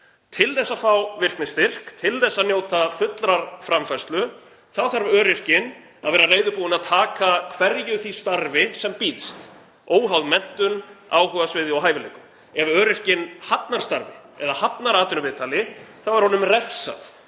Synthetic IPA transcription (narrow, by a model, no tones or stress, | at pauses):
t̪ʰɪlθɛsːafawvɪr̥knɪst̪ɪr̥kt̪ʰɪlθɛsːaðnjoːwt̪afʏt̪lɾaɾ̥fɾamfḁst̪lʏ | θaðθaɾvœːɾɪr̥cɪn | aðvɛːɾareːjðʏpuːɪnaðt̪ʰaːkakʰvɛɾjʏθist̪aɾvɪsɛmpiːðst̪ | oːwɦawðmɛn̥t̪ʏnaːwɦœɣasvɪːðɪɔwɦaːjvɪlḛːkʏm | ɛvœːɾɪr̥cɪnhap̪naɾ̥st̪aɾvɪ | ɛ̰ðahap̪naɾaːt̪ʏnʏvɪːðt̪alɪθawvaɾhɔnʏmrɛfsa̰θ